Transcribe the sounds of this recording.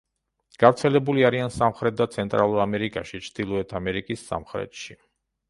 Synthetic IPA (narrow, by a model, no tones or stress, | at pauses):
ɡ̥avɾt̪sʰɛlɛbuliaɾiansamχɾɛt̪̚d̪at̪sʰɛnt̪ʼɾalˠuɾamɛɾikʼaʃit͡ʃʰd̪̥ilˠɔɛt̪ʰamɛɾikʼisːa̰mχɾɛ̰t̪ʃi